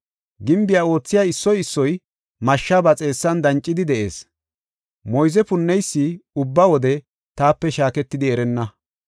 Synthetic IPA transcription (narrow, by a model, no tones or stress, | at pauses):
ɡɪmbɪjao̞ːt͡sːɪjaːɪsːɔjɪsːɔj | mɐʃːabɐt͡sʼe̞ːsːɐnd̪ɐnt͡ʃʼːɪd̪ɪd̪ɛʔe̞̰ːs | mɔjzɛpʊnːɛjsːɪʊbːɐwɔd̪ɛ | t̪aːpːɛʃaːkɛt̪ːɪd̪ɪɛɾɛnːɐ